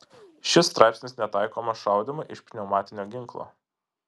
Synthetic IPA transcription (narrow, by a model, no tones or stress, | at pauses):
ʃʲɪst̪ɾɑɪpsʲnʲɪsnʲɛt̪ɑˑɪkoːmɐʃɑʊd̪ʲɪmʊʔɪʃpʲnʲɛʊmɑːt̪ʲɪnʲoːɡʲɪŋˑklˠo̰ː